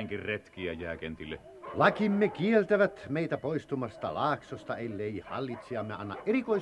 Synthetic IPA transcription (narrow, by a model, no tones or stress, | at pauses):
ŋkirret̪kiæjæːkent̪ilːḛ | lɑkimːekielt̪æʋæt̪meit̪æpoist̪umɑst̪ɑ̰lɑːksost̪ɑelːeˑihɑ̰lːit̪siɑmːeɑnːɑ̰ʔʔerikoi